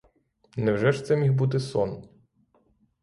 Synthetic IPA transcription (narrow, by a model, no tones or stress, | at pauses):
nɛwʒɛʃt̪sɛmʲixbut̪ɪsɔn